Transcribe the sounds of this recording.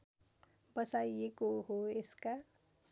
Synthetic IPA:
bʌsajekoɦoeska

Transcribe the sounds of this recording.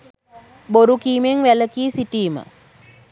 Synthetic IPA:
boɾukiːmeŋʋæləkiːsiʈiːmə̰

